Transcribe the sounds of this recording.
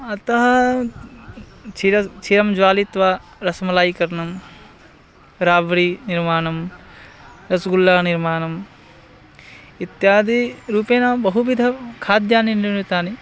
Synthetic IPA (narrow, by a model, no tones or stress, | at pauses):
ɐt̪ɐɦɐ | t͡ʃʰiɾɐt͡ʃʰiɾɐmd͡ʒʋaːlit̪ʋaːɾɐsmɐlaːjikɐɾnɐm | ɾaːʋɐɾiniɾmaːnɐm | ɾɐsɡulːaːniɾmaːnɐm | it̪jaːd̪iɾuːpeːnabɐɦuʋid̪ʱɐkʰaːd̪jaːniniit̪aːni